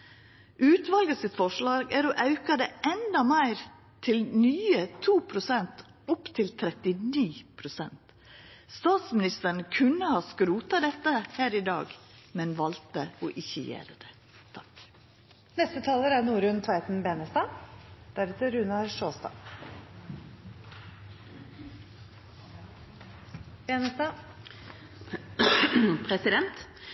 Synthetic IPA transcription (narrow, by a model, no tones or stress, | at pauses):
ʔʉːt̪ʋɑlɡəsɪt̪fɔʂɭɑːɡæɾoʔɑʉkɑd̪ɛːʔɛnd̪ɑmæɪɾ | t̪ʰɪlnyːət̪ʰuːpʰɾʊsɛnt̪ | ɔpt̪ʰɪlt̪ʰɾɛt̪ɪniːpʰɾʊsɛnt̪ | st̪ɑːt̪smɪnɪst̪əɳəkʰʉnːəhɑːskɾuːt̪ɑd̪ɛt̪ːəhæːɾɪd̪ɑ̰ːɡ | mɛnʋɑlt̪əɔːʔɪçəjḛːɾəd̪ɛ | t̪ʰɑ̥k | nɛst̪ət̪ʰɑːləɾæɾnuːɾʉnt̪ʰʋɑɪt̪n̩beːnəst̪ɑːd̪̥æɾʉːt̪əɾʉnɑɾʂoːst̪ɑ̰ː | benəsɑ | pʰɾɛsɪd̪ɛnt̪